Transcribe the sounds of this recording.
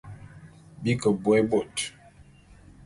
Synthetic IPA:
bi˦kə˨bwɛ˦bo˨t

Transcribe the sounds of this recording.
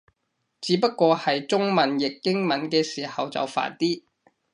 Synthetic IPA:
t͡siː˨˥pɐ˥t̚kːʷɔː˧hɐ˨jt͡sʊ˥ŋmɐ˨njɪ˨kːɪ˥ŋmɐ˨˥nkɛː˧siː˨˩hɐ˨wt͡sɐ̰˨wfa̰ː˨˩nt̪iː˥

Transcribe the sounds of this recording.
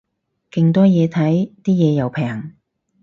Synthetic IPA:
kɪ˧ŋt̪ɔː˥jɛː˨˧t̪ʰɐ˨˥jt̪iː˥jɛː˨˧jɐ˨˩wpʰɛː˨˩ŋ

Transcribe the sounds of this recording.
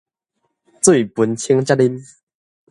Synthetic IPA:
t͡swe˥˩jpu˨˧˦nt͡ɕʰi˧˦˥ŋt͡ɕa˥li˦n

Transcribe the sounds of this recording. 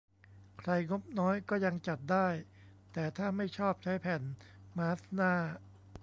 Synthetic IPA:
kʰɾa˧jŋo˦˥p̚nɔː˦˥jkɔː˥˩ja˧ŋt͡ɕa˨˩t̪̚daː˥˩j | t̪ɛː˨˩t̪ʰaː˥˩ma˥˩jt͡ɕʰɔː˥˩p̚t͡ɕʰa˦˥jpʰɛː˨˩nmaː˦˥snaː˥˩

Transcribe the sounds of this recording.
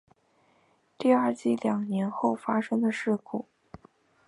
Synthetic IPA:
t̪i˥˧a˞˥˩˧t͡ɕi˥˩ljɑ˨˩ŋnjɛ˧˥nxo˥˩ʊfa˥ʂɤ˥ŋd̪ə˨ʂɻ̩˥˩kʰu˨˩˦

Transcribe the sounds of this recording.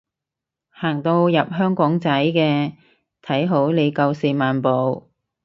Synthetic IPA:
haː˨˩ŋt̪o˧wjɐ˨p̚ɦœː˥ŋkɔː˨˥ŋt͡sɐ˨˥jkɛː˧ | t̪ʰɐ˨˥jɦo˨˥wle˨˧jkɐ˧wsiː˨˧maː˨npo˨w

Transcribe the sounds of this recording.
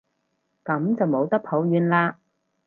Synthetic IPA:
kɐ˨˥mt͡sɐ˨wmo˨˧wt̪ɐ˥k̚pʰo˨˥wɥyː˨˧nlaː˧

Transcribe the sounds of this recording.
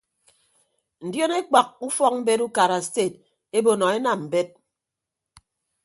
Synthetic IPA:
n̩˨djɔ˦ne˦k͡pa˨k̚u˦fɔ˦k̚m̩˦be˦tu˦ka˨ɾa˨ste˦˨t̚ | e˦bo˨nɔ˨e˦na˨mm̩˨be˦t̚

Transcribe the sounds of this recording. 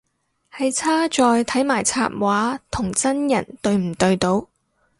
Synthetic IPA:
hɐ˨jt͡sʰaː˥t͡ʃɔː˨˧jt̪ʰɐ˨˥jmaː˨˩jt͡sʰa̰ː˧t̚waː˨˥t̪ʰʊ˨˩ŋt͡sɐ˥njɐ˨˩nt̪ɵ˧ɥm̩˨˩t̪ɵ˧ɥt̪o˨˧w

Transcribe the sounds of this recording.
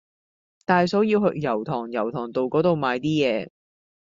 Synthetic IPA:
t̪aː˨jsɔː˨˥wjiː˧wɦɵ˧kjɐ˨˩wt̪ʰɔː˨˩ŋjɐ˨˩wt̪ʰɔː˨˩ŋt̪o˨wkɔː˨˥t̪o˨wmaː˨˧jt̪iː˥jɛː˨˧

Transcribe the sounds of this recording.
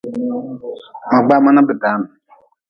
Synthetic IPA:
ma˨ɡ͡ba˦˨ma˦na˦bɪ˨da˨˦na˨

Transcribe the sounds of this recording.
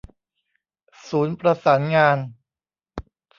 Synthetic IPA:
suː˩˦npɾa˧saː˩˦nŋaː˧n

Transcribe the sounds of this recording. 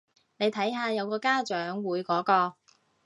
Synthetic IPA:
ne˨˧jt̪ʰɐ˨˥jɦaː˧jɐ˨˧wkɔː˧kaː˥t͡ʃœː˨˥ŋwuː˨˧jkɔː˨˥kɔː˧

